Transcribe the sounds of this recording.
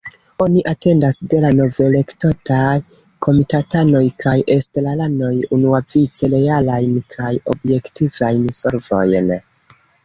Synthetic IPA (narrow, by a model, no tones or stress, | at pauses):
o̞niʔate̞ndasde̞lano̞ve̞le̞kto̞taj | kʰo̞mitatano̞jkʰajʔestelalando̞junuavit͡se̞le̞jalajnkʰajo̞̰bje̞ktivajnso̞ɾvo̞̰jn